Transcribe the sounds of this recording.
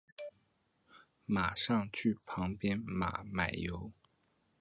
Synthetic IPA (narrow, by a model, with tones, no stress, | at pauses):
ma˨˩ʂɑ˥˧ŋt͡ɕʰy˥˩pʰɑ˧˥ŋpjɛ˥nma̰˨˩˦ma˨˩ɪjo˧˥ʊ